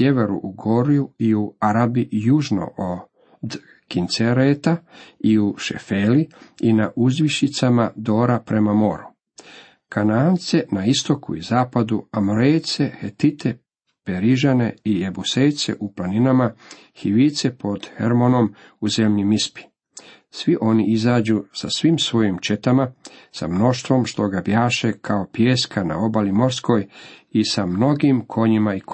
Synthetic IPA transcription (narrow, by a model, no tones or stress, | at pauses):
sjeʋe̞ɾṵʔuɡo̞ɾiuiuaɾabijuʒno̞̰ʔo | d̪ | kint̪seɾet̪aiuʃe̞̰feːliinaʔuzʋiʃit̪samad̪o̞ːɾapɾe̞mamo̞ɾu | kanaːnt̪se̞naist̪o̞kṵizaːpad̪uamoɾejt̪se̞het̪it̪ʰe̞ | peɾiʒane̞̰ijebusejt̪sḛʔuplaninama | hiʋit̪se̞po̞d̪̥xḛɾmono̞m | uze̞mʎimispi̥ | sʋiʔo̞niizaːd͡ʑuːsasʋimsʋo̞jimt͡ʃe̞t̪amasa̰mno̞ʃt̪ʋo̞mʃt̪o̞ɡabjaːʃekʰaopjeːskana̰obalimo̞ɾsko̞jisamno̞ɡimkʰo̞ɲimaik